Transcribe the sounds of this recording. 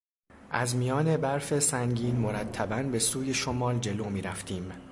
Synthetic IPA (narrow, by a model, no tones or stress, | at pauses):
ʔæzmijɒːne̞bæɾfe̞sæŋɟiːnmoɾæt̪ʰːæbænbe̞suːje̞ʃomɒːld͡ʒe̞loːmiːɾæft̪ʰiːm